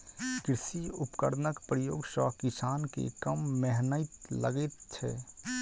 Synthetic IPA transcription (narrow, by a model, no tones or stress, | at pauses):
kɾɪsiʊpkəɾnəkpɾəjoːɡsɔkɪsaːnkḛkəmːɛɦnəɪt̪lə̰ɡet̪t͡ʃʰɛ̰